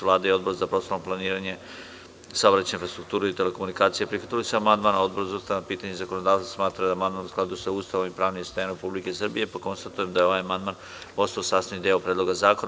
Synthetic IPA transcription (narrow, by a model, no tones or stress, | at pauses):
ʋlˠaːd̪aio̞d̪bo̞ɾzapɾosoomplˠaniːɾaɲe̞ | saobɾat̪t͡ɕeainfɾast̪ɾukt̪uːɾeit̪e̞leko̞munikaːt̪sijepɾixʋat̪ilisuamand̪maːnao̞d̪boɾzost̪anapiːt̪aɲezako̞nod̪aːʋsḁsmaːt̪ɾad̪amand̪maːnusklˠad̪usauːst̪aʋomipɾaːʋnimst̪aanɾepublike̞sr̩bije̞pako̞nst̪at̪uje̞md̪ajeo̞ʋajamand̪man | po̞st̪aosaːst̪anid̪eopɾed̪lo̞ɡazaːkon